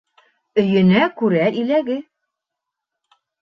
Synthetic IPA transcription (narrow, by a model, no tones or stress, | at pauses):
ɵ̆jɘ̆nækʉɾæʔilæɡɘ